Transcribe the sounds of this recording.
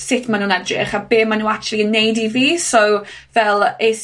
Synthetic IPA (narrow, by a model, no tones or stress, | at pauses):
sɪtʰmanuːnɛdrɪ̰χabeːmanuːak̚tʰʊlˠiənːejdiviːsɔw | vɛlˠes